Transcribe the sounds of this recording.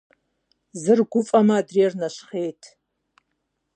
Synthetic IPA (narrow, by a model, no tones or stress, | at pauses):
zɨrɡʷʊfʼɐmɐːdrirnɐʃχejtʰ